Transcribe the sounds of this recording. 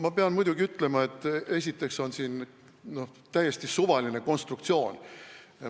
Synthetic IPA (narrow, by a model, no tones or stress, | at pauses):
mɑpeɑnmujd̪̥uɡiyt̪ːˑle̞mɑe̞t̪ːˑe̞s̬ʲit̪ːˑe̞kso̞nsiːn | no̞ | t̪æjːe̞st̪isuvɑline̞ko̞nst̪rukt̪sio̞ːnʲ